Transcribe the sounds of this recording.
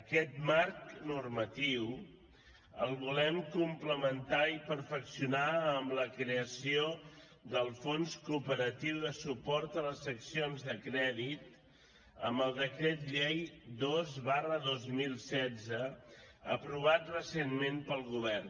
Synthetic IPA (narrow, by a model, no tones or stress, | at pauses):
əkɛt̪̚maɾknurmət̪iw | əlˠβulɛmkumpləmənt̪aipəɾfəksiunaəmbləkɾeəsio | ðəlˠfonskupəɾət̪iwðəsupɔɾt̪ələsəksionzðəkɾɛðit̪ | əmbəlˠd̪əkɾet̪ʎɛjd̪ozβarəðozmilˠsɛd͡zəəpɾuβ̞at̪rəsenmempəlˠɣuβ̞ɛrn